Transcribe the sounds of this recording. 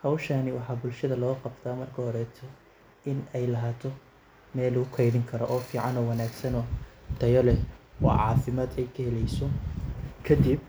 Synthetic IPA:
hɐwʃanɪwɑħɑːbʊlʃɐðɐlɔːqɑbt̪ʰaːmɐrkʰɐhɔɾɛt̪ʰɔ | ɪnɛjlɐɦaːt̪ʰɔ | mɛːlʊkʰɛjðɪŋkʰɐɾɔʔɔːfiːʕɑnɔːwɑnaːɡsɐnɔd̪̥ʰɐjɐlɛwɔ̰ːʕɑ̰ːfɪmaːd̪ɛjkʰɐhɛlɛjsɔ | kʰɐd̪ib̚

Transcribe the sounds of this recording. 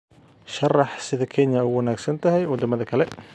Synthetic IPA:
ʃɑrɑħsɪðɐkʰɛnjɐɛwɑnaːɡsɐnt̪ʰɐɦɛjwɐd̪ɐmɐðɐkʰɐlɛ

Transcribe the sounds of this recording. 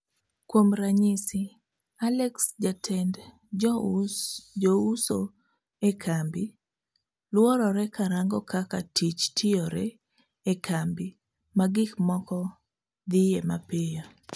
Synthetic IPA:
kwomɾaɲɪsɪ | alɛksd͡ʒatʰɛnd | d͡ʒouso | ekʰambi | lwɔɾɔɾɛkaɾaŋɡɔkakatit͡ʃtʰɪɔɾɛ | ekʰambɪ | maɡɪkmɔkɔ | d̪ɪjema̰pɪjɔ

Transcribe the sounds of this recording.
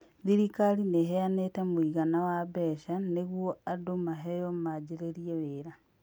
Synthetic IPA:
ðiɾikalineɦeanetemwiɣanawabeʃaneɣwoadomaɦejomad͡ʒeɾeɾieβeːɾa

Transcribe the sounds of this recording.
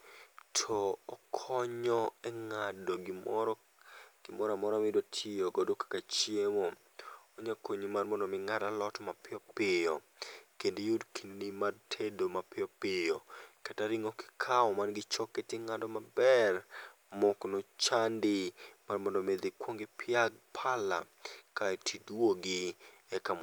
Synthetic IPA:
tʰɔɔkʰɔɲɔɛŋado | ɡ̥ɪmɔɾamɔɾamɪdotʰɪjoɡɔdokḁkat͡ʃjemo | oɲakoɲimarmɔndɔmɪŋaɾalɔtɔmapɪɔpɪjɔ | kendijudkʰinnimartʰedomapɪɔpɪjokataɾɪŋɔkɪ̥kʰaɔmanɡɪt͡ʃɔkːetɪŋandɔmabɛr | mɔknɔt͡ʃandɪmarmɔndɔmed̪ikwoŋɡɪpʰɪaɡ̚pʰala̰ | kaɛtʰidwoɡɪ | ɛkam

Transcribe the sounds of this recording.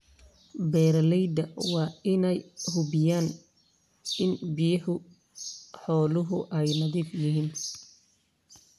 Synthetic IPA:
bɛːɾɐlɛjd̪ɐwɑːɪnɛjhʊbɪjaːn | ɪnbɪjɐhʊ | ħɔːlʊɦʊʔɛjnɐðiːfjɪɦiːn

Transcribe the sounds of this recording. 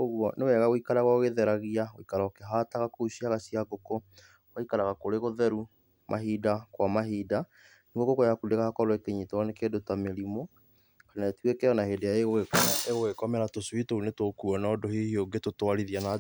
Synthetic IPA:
oɣwɔnewɛɣaoikaɾaɣwaoɣeðɛɾaɣiaoikaɾaokɛɦataɣakousiaɣasiaɡokɔ | waikaɾaɣakoɾeɣoðɛɾu | mʔaɦidakwamaɦida | niɡoɡokojakudeɣahakɔɾowɛkeɲitɔɔnekedotameɾimo | kanatuekɛjɔnaheːdejaeɣoɣekɔmʔeɣoɣekɔmɛɾatoswitounetokuɔnɔːdohihioɡetotwaɾiðiana

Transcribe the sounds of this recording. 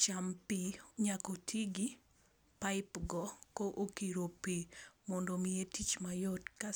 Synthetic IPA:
t͡ʃampiɲakotʰiɡi | paɪpɡɔkoʔokiɾopemɔndomietit͡ʃmajɔtka

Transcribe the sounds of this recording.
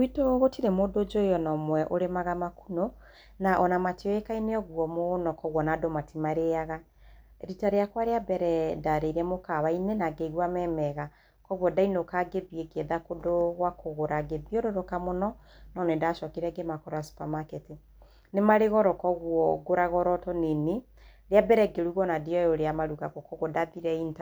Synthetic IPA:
witoɣotiɾɛmondod͡ʒoejɔnɔmwɛʔoɾemaɣamakuno | naʔɔnamatiɔekaineɔɣwɔmonɔkɔɣwɔnadomatimaɾeaɣa | ɾitaɾejakwaɾeabɛɾɛdaɾeiɾɛmokaβainenaɡeɣwamɛmɛɣa | kɔɣwɔdainokaɡebiekeðakodowakoɣoɾaɡebioɾoɾokamonɔnɔnedaʃɔkiɾɛɡemakɔɾasu̥pamakete | nemaɾeɣɔɾɔkɔɣwɔɡoɾaɣɔɾɔtɔnene | ɾeabɛɾɛɡeɾuɣɔnadiɔjoɾeamaɾuɣakɔkɔɣɔdaðiɾɛinta

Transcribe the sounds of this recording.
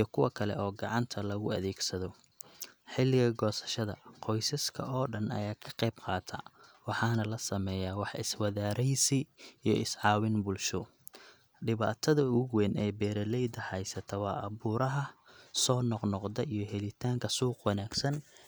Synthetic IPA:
ijɞkʰʊwɐkʰɐlɛ̰ʔɔːɡɑʕɑnt̪ʰɐlɐɣʊɐðɛːɡsɐðɔ | ħɪlɪɣɐɡɔːsɐ̥ʃɐðɐ̰qʰɔjsɐskʰɐʔɔːɖɐnɐ̰jaːkʰɐ̥qɛjbqɑːt̪ʰɐ̰wɑħɑːnɐlɐsɐmɛːjaːwɑħɪswɐðaːɾɛjsɪijɔʔɪsʕɑːwɪnbʊlʃʊ | ɖɪβaːt̪ʰɐðɐʊɣwɛːnɛbɛːɾɐlɛjd̪ɐhɛjsɐt̪ʰɐwɑːʔɐβuːɾɐɦɐsɔːnɔqnɔqd̪ɐʔijɞɦɛlɪt̪ʰaːŋkʰɐsuːqwɑnaːɡ̥sɐn

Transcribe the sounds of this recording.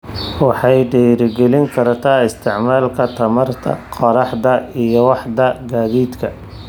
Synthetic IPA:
wɑħɑjɖɛːjɾɪɡɛlɪŋkʰɐɾt̪ʰaːɪst̪ʰɪʕmaːlkʰɐt̪ʰɐmɐrt̪ʰɐ̰qɔɾɑħd̪ɐijɔwɑħd̪ɐɡaːðiːd̪kʰɐ

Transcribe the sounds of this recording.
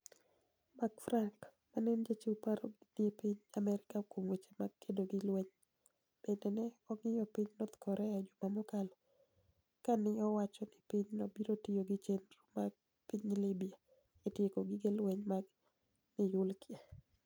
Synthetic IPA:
maɡfɾaŋk | manɛnd͡ʒet͡ʃipaɾɔɡidepiɲamɛɾɪkakomwet͡ʃe̥maɡkʰedoɡɪlwɛɲ | b̥endenɛɔŋɪjɔpiɲnot̪kɔɾʔɛad͡ʒɔmamʊkal | kanɪɔwat͡ʃɔnɪpiɲnɔbiɾotijoɡɪt͡ʃenɾumaɡ | piɲlɪbia | etjekoɡɪɡelwɛɲmaɡ | nɪjʊlkje

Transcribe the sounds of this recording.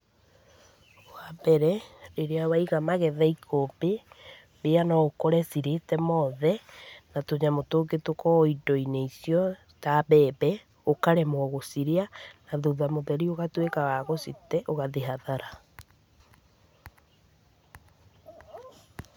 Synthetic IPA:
oabɛɾɛɾeɾeawaiɣamaɣɛðɛikʰobe | beanɔokɔɾɛsiɾetɛmɔðɛnatoɲamotoɡetokɔidɔineisiɔ | tabɛbɛ | okaɾɛmɔɣosiɾeanaðoðamoðɛɾioɣatwekawaɣositɛʔoɣaðeɦaðaɾa

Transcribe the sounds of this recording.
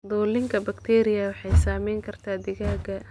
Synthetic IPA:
d̪ɔːlɪŋkʰɐbɐkt̪ʰɛːɾɪjɐwɑħɑjsaːmɛjŋkʰɐrt̪ʰaːd̪ɪɣaːɡɐ

